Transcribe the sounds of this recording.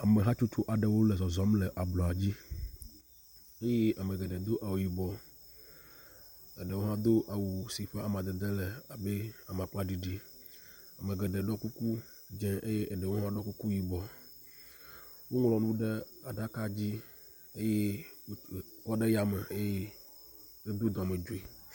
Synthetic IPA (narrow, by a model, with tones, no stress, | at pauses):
a˨me˨ɦã˦t͡ʃo˦t͡ʃo˦ʔa˨ɖe˨wo˦le˨zɔ˨zɔ˦mle˨ʔa˨blɔ˨a˨d͡ʑi˦ | e˦je˦ʔa˨me˨ɡɛ˨ɖɛ˨d̪o˦ʔa˨wo˨ji˨bɔ˨ | e˨ɖe˨wo˦ã˦d̪o˦ʔa˨wu˨si˨ɸe˦a˨mã˨d̪ɛ˨d̪e˦le˨a˨be˦a˨m˨a˨k͡pa˦ɖi˨ɖi˦ | a˨me˨ɡɛ˨ɖɛ˨ɖɔ˦ku˦ku˦ | d͡ʒɛ̃˦ʔe˦je˦ʔe˨ɖe˨wo˦ɦã˦ɖɔ˦ku˦ku˦ji˨bɔ˨ | wo˦ŋlɔ˨nũ˦ɖe˦a˨ɖa˦ka˦d͡ʑi˦ | e˦je˦˨ | kɔ˦ɖe˦ja˨me˨e˦je˦ | e˦d̪o˦d̪ɔ˨me˨d͡ʒo˨i˨